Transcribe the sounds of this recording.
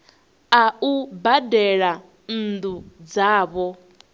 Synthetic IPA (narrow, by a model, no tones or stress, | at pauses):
aubadɛɺa | n̩d̪ud͡zaːβɔ